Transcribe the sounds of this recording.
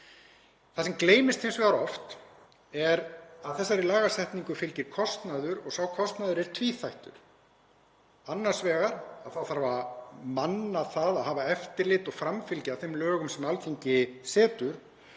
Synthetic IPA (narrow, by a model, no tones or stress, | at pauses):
θasɛmkleːjmɪst̪hejnsvɛɣaɾɔft̪ | ɛɾaðθɛsːaɾilaːɣasɛht̪niŋkʏfɪlcɪɾ̥kʰɔst̪naðʏɾɔɣsawkʰɔst̪naðʏɾɛɾ̥t̪ʰviːθajht̪ʏ̰ɾ̥ | anːaɾ̥svɛːɣaɾ̥aðθawθaɾvamanːaθaðaðɦaːvaɛft̪ɪɾlɪt̪ɔɣfɾamfɪlcawθemlœːɣʏmsɛmalcʰeɲcɪsɛːt̪ʏɾ̥